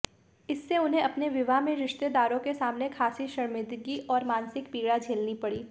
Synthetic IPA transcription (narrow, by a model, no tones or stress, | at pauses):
ɪsːeʊnɦẽɐpneʋɪʋamẽɾɪʃt̪ed̪aːɾõkesaːmnekʰaːsiʃɐɾmɪd̪ɡiʔɔːɾmãːnsɪkpiːɡɽad͡ʒʱeːlnipɐɽiː